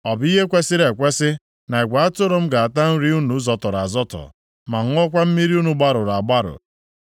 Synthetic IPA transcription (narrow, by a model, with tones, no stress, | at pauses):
ɔ˨bi˦ɦe˦kʷe˦sɪ˦ɾe˨kʷe˦sɪ˦ | na˨ɪ˨ɡʷa˨a˦tʊ˦ɾo˦m̩˦ɡa˨a˨ta˦n̩˦ɾi˦u˦nu˨˦zɔ˨tɔ˨ɾa˨zɔ˦tɔ̰˨ | ma˨ŋ̩˦ɔ˦kʷa˦m̩˦mi˦ɾi˦u˦nu˨ɡ͡ba˦ɾʊ˨ɾa˨ɡ͡ba˦ɾʊ̰˨